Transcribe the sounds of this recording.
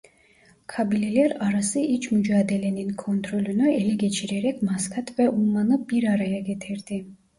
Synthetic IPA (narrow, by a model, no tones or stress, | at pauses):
kʰabilɛliɛɾaɾasiʔit͡ʃʰmud͡ʒaːd̪ɛlɛninkʰɔnt̪ʰɾɔlinɔɛlɛɡɛt͡ʃʰiɾɛɾɛkʰmaskʰat̪ʰvɛʔumanɨbiɾaɾajaɡɛt̪ʰɛɾd̪i